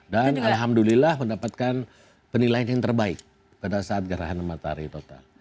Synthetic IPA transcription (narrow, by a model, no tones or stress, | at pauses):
danalɦamdulilahməndapat̪̚kan | pənilajanjaŋt̪ərbaɪk̚ | padasaat̪̚ɡaɾaɦanəmat̪a̰ɾḭt̪ot̪a̰l